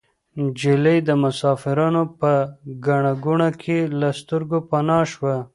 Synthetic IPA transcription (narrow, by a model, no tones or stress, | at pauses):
d͡ʒɪləjd̪əmʊsɑfɪɾɑnopəɡaɳaɡuɳakʰelast̪əɾɡopanɑʃwa